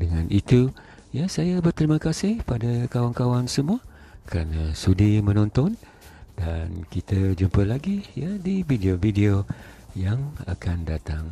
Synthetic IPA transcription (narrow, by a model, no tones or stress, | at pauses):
dəŋãnʔit̪u | jasajabərt̪ɾimə̃kasɪhpadakawankawansəmuə | kəɾanasudimə̃nɔ̃nt̪ɔn | dankit̪əd͡ʒumpəlaɡijadividiovidiojaŋa̰kandat̪aŋ